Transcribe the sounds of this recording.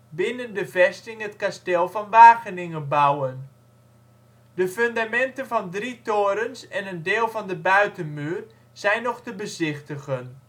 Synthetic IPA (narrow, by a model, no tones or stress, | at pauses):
bɪnəndəvɛstɪŋɦətkastɛlˠvɑnʋaːχənɪŋəbawən | dəføndamɛntənvɑndritoːɾənsɛnəndeːlˠvɑndəbœɥtənmyːr | z̥ɛjnɔχtəbəzɪχtəχən